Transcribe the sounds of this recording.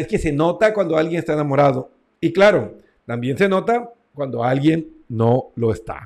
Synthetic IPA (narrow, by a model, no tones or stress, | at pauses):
eske̞se̞no̞t̪akwand̪o̞alɡje̞nest̪aenamo̞ɾaðo̞ | iklaɾo̞ | t̪ambje̞nse̞no̞t̪a | kwand̪o̞alɣje̞nː | o̞lo̞est̪a̰